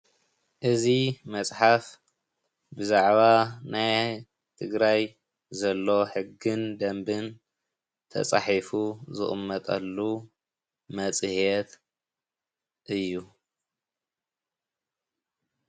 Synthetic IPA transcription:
ʔɨzimɐt͡sʼħaf | bɨzaʕβanaj | t̪ʰɨɡɾaj | zɐlːo̞ħɨɡːɨnd̪ɐmbɨn | t̪ʰɐ̰t͡sʼa̰ħifuzɨ̰χʼɨmːɐt̪ʼɐ̰lːu | mɐt͡sʼhet̪ | ʔɨjːu

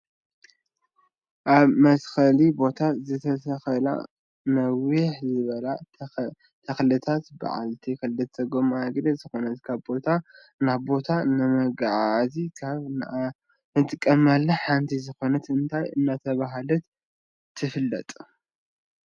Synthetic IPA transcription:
ʔaβmɐsxɐlibo̞t̪ʰazɨt̪ʰɐsɐxɐla̰ | nɐwiħzɨβɐla | t̪ʰɐxlɨt̪ʰat̪ba̰ʕa̰lt̪ʰikʰɐlːɨt̪ːɐɡomaɡɾɐzɨxo̞nɐt̪kʰaβbo̞t̪ʰa | naβbo̞t̪ʰanɨmɐɡʕazikʰaβn | nɨt̪ʼɨkʼːɐmalːɐħant̪ʰizɨxo̞nɐt̪ɨnt̪ʰajɨ̰nːat̪ʰɐβaɦlɐt̪ | t̪ʰːɨfɨlːɐ̰t̪ʼ

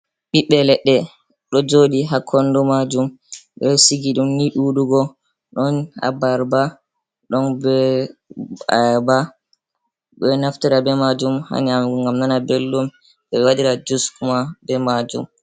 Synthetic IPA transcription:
ɓiɓɛlɛɗːɛ | ɗɔd͡ʒoɗiɦakʰːɔndɔmad͡ʒum | ɓɛsiɡiɗumniɗuɗuɡɔ | ɗɔnha̰baɾba | ɗɔnbɛ | a̰ba | ɓɛnaftiɾabɛmad͡ʒumha̰niamŋɡamnanabelːum | ɓɛɛwaɗiɾad͡ʒuskumabɛmad͡ʒṵm

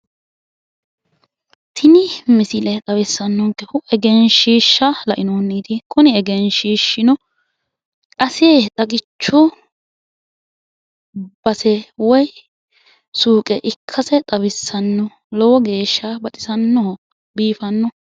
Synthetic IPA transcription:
t̪ʰɪnɪmɪsɪlɛt̪ʼɐwɪsːɐnːɔŋkːɛhʊɛɡɛnʃiːʃːɐlɐʔɪnonːiːd̪ɪkʰʊnɪɛɡɛnʃiːʃːɪnɔ | kʼɐsɪet̪ʼɐɡɪt͡ʃːʊ | b̥ɐsɛwɔj | suːkʼɛʔɪkʰːɐsɛt̪ʼɐβɪsːɐnːɔ | lɔwɔɡe̞ːʃːɐbɐt̪ʼɪsɐnːɔhɔ | biːfɐnːɔ

